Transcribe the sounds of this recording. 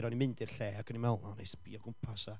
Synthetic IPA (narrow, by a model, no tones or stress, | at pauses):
ɾɔnimɪndɨrɬeːaɡʰənimɛwlˠɔnejspiɔɡʊmpʰasa